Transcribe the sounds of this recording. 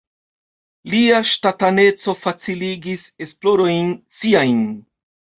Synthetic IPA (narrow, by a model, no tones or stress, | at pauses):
liaʃtatane̞t͡so̞fat͡siliɡise̞splo̞ɾo̞jnsiajn